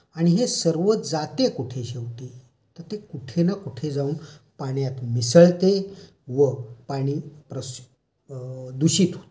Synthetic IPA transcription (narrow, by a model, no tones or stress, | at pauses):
aɽ̃iɦesəɾʋət̪d͡zat̪ekuʈʰeɕeʋt̪e | t̪əɾt̪ekuʈʰenakuʈʰed͡zauːnpaɳjat̪misəɭt̪e | ʋəpaɽ̃iːpɾəs | d̪uɕiːt̪ɦot̪e̥